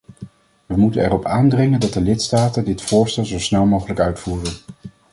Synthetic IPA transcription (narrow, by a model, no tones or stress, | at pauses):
ʋəmutənɛrɔpaːndrɪŋəndɑt̚dəlɪtstaːtəndɪtfʊːɹstɛlˠzowsnɛlˠmowχələkœɥtfuːrən